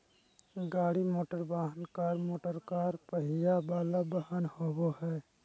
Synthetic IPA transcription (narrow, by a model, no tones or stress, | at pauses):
ɡaːɽimoːʈəɾbaɦənkaɾmoːʈəɾkaːɾpəɦijabaːlabəhanhobohɛː